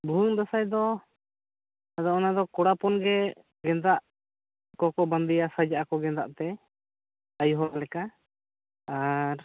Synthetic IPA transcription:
bʱuŋd̪asajd̪ɔ | ad̪ɔɔnad̪ɔkɔɽapɔnɡɛ | ɡɛnd̪aʔ | kɔkɔband̪ɛjasad͡ʒaʔakɔɡɛnd̪a̰ʔt̪ɛ | ajuɦɔɾalɛka | aɾ

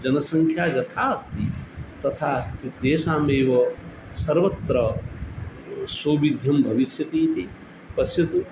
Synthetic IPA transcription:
d͡ʒɐnɐsɐŋkʰjaːɡɐt̪ʰaːɐst̪it̪ɐt̪ʰaːt̪id̪eːsaːmeːʋɐ | sɐɾʋɐt̪ɾɐ | soːʋid̪ʱjɐmbʱɐʋisjɐt̪iːt̪ʰi | pɐsjɐt̪u

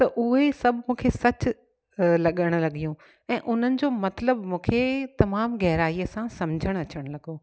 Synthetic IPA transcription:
t̪ɐʔʊɦesɐbʱmũːkʰesɐt͡ɕ | lɐɠəɽ̃ʊlɐɠijũ | ɛ̃ːʔʊn̤ənɪ̆d͡ʑoːmɐt̪ləbmũːkʰet̪ɐmaːmɣɛɦɾaːiəsãsɐmd͡ʑʱəɽ̃ɐt͡ɕəɽ̃lɐɠoː

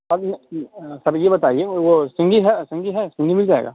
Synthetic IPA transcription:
ɔːɾnsɐɾjebɐt̪aːieʋosɪ̃ŋɡiɦɛsɪ̃ŋɡiɦɛsɪ̃ŋɡimɪld͡ʒaːḛːɡa̰ː

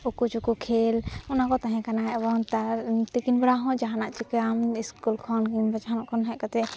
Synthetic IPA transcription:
ukut͡ʃukukʰelunakɔt̪aɦɛ̃kanaɦɛʔbɔnt̪at̪ikinbɾaɦɔ̃d͡ʒaɦanaʔt͡ʃikamiskulkʰɔnkibad͡ʒɦanaʔkʰɔnɦɛʔkat̪ɛ

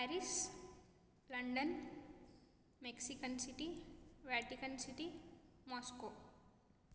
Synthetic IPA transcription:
pɛɾis | lɐɳɖən | meksikənsiʈiʋæʈikənsiʈimɔsko

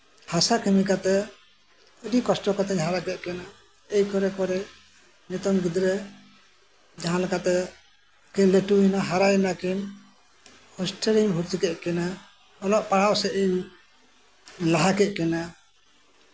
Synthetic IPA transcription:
hasakɛmikat̪ɛ | ədikɔsʈɔkat̪ɛɲɦaɾakɛt̪̚kɛna | ejkɔɾɛkɔɾɛ | nit̪ɔmɡid̪ɾɛ | d͡ʒaɦãlɛkat̪ɛ | kiɲlɛʈuinaɦaɾajɛnakiɲ | hɔsʈɛɾiɲɦuɾt̪ikɛʔ̪̚kɛna | ɔlɔʔpaɽawsɛiɲ | laɦakɛʔ̪̚kɛna

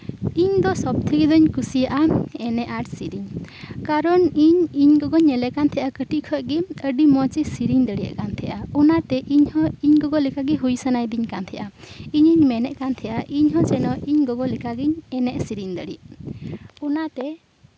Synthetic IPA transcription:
iɲd̪ɔsɔb̚t̪ʰəɡid̪ɔɲkusijaʔaɛnɛʔaʈsiɾiɲkaɾɔniɲiɲɡɔɡɔɲːɛlɛʔkant̪ʰɛjʔakəʈikʰɔt̚ɡiəɖimɔt͡ʃisiɾiɲd̪əɽija̰ʔkant̪ʰɛjʔaɔnat̪ɛʔiɲhɔiɲɡɔɡɔlikaɡɛɦujsənajd̪iɲkant̪ʰɛʔaiɲiɲmɛnɛʔkant̪ʰɛjʔaʔiɲɦɔ̃t͡ʃɛnɔʔiɲɡɔɡɔlikaɡiɲɛnɛʔsiɾiɲd̪əɽḭʔ | ɔnat̪ɛ

